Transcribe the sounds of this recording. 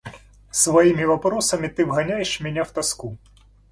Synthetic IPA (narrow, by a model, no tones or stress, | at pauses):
sʋɐjimʲiʋɐpɾɔsɐmʲɪt̪ɪʋɦɐnʲajeʃmʲɛnʲawt̪ɐsku